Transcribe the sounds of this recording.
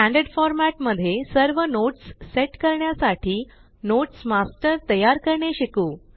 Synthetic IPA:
æ̃ɳɖeɖfɔɾmæʈməd̪ʱːjesəɾʋənoʈsːeʈkəɾɳjasaʈʰiː | noʈsmasʈəɾt̪əjaɾkəɾɳeɕikuː

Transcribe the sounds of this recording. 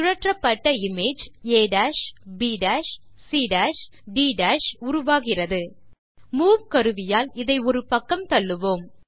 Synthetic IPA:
ʊɻɐʈrɐpːɐʈːɐɪmeːd͡ʒeːɖaːʂbiːɖaːʂ | siːɖaːʂ | ɖiːɖaːʂʊɾʊʋaːɣɪrɐðɯ | muːʋkɐɾɯʋɪjaːlɪðɐɪɔɾɯpɐkːɐmt̪ɐɭːɯʋoːm

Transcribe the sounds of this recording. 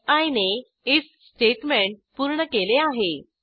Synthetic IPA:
aine | is | sʈeʈmẽɳʈ̚puɾɳəkeleaɦe

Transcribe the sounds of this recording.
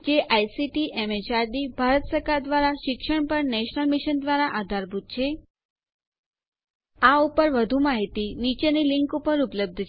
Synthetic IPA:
d͡ʒeʔajsiʈiʔɛmet͡ʃaɾd̪ibʱaɾət̪səɾkaɾd̪ʋaɾaʃɪkʃəɳpəɾnɛʃnəlmɪʃənd̪ʋaɾaʔad̪ʱaɾbʱut̪̚t͡ʃʰe | aupəɾʋəd̪ʱumaɦit̪init͡ʃenilɪŋkupəɾupləb̚d̪ʱt͡ʃʰ

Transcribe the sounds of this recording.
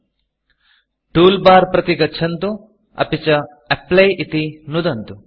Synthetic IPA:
ʈuːlbaːɾpɾɐt̪iɡɐt͡ʃʰɐnt̪u | ɐ̰pit͡ʃɐ | ɐplɐjʔit̪inud̪ɐnt̪u

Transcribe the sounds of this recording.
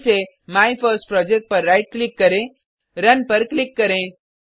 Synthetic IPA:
se | maːipʰəɾsʈpɾɔːd͡ʒek̚ʈ̚pɐɾːaɪʈ̚klɪkːɐɾẽ | ɾɐnpɐɾklɪkːɐɾẽ

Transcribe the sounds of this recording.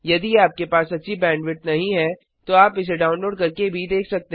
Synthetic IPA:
jɐd̪iaːp̚kepaːsɐtːʃʰibɛ̃ːɳɖʋɪʈ̚nɐɦĩɦɛ | t̪oaːpɪs̬eɖaːʊ̃nloːɖkɐɾkebʱid̪eːkʰsɐk̚t̪e

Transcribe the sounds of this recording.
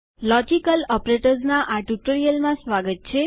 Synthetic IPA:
lɔd͡ʒikəlɔpɾeʈəɾsnaʔaʈuʈəɾijəlmãsʋaɡət̪̚t͡ʃʰe

